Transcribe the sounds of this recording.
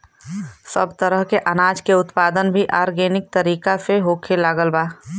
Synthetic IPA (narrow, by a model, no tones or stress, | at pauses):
sə̰bt̪əɾəɦkeʔənaːd͡ʒkeʊt̪paːd̪ənbʱiʔaːɾɡeːnɪk̚t̪əɾiːkaseɦoːkʰelaːɡəlbaː